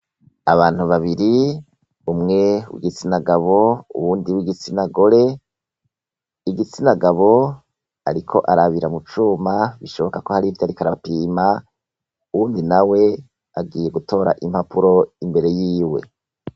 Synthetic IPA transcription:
aβaːn̥huβaβiɾi | umŋe̞wḭɡit͡sinaɡaβo̞ṵβuːndiwiɡit͡sinaɡoɾe̞ | iɡit͡sinaɡaβo̞ | aɾikʰo̞̰ʔaɾaβiɾamut͡ʃumaβiʃo̞βo̞kako̞haɾihivtaɾikaɾapiːma | uwuːndinawe̞ | aɡiːje̞ɡuto̞ːɾa̰ʔim̥hapuɾo̞imbe̞ɾe̞jiːwe̞̰

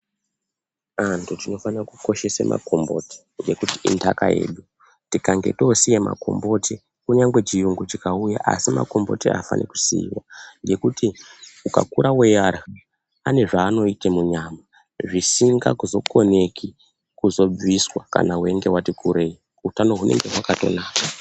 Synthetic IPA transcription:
antʰutino̞fanrakuko̞ʃe̞sḛmʔa̰ko̞mbo̞̰ti̥ | ŋɡe̞kutiʔḭndaka̰jḛːɗu | tikaŋɡe̞̰to̞sijema̰ko̞̰mbo̞tʰi | kuɲaŋɡwe̞t͡ʃijuŋɡut͡ʃikaujaʔa̰sima̰ko̞mbo̞̰tiafa̰nʔḛku̥siːwaŋɡe̞kutʰiuka̰kuɾawejaɾa | ane̞ʐaːno̞itemuɲaːma | ʐisiŋɡa̰kuzo̞ko̞ne̞kʰi | kuzo̞b͡viswaka̰naɦwe̞ŋɡe̞watikʰuɾe̞i | utano̞ɦune̞̰ŋɡeɦwakato̞̰naːka

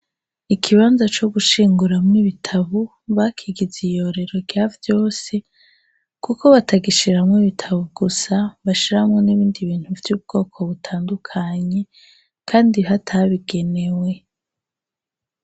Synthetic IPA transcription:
ikʰiβaːnzat͡ʃo̞ɡuʃiːŋɡuɾamŋiβitʰaβu | βakʰiɡizijo̞ɾe̞ɾo̞ɡjavjo̞ːse̞ | kuko̞βataɡiʃiɾamŋiβitʰaβuɡusaβaʃiɾahmŋoniβiːndiβiːn̥huvjuːb̚ɡo̞ːkʰo̞βutʰaːndukʰaɲe̞ | kʰaːndiɦatʰaβiɡe̞ne̞we̞

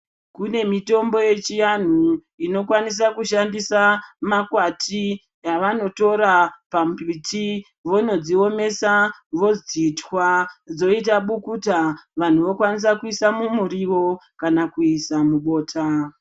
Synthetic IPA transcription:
kune̞mito̞mbo̞je̞t͡ʃijan̤u | ino̞kwanis̬akuʃandisamakwati | jaʋano̞to̞ɾapampiti | ʋo̞no̞d͡zio̞me̞saʋo̞d͡zitwad͡zo̞itaɓukutaʋan̤uʋo̞kwanis̬akuisamumuɾiʋo̞kanakuisamuɓo̞ːtʰa

